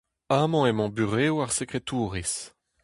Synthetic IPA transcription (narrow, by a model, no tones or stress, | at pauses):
amɔ̃ɛmɔ̃byʁewaʁsekχet̪uːʁis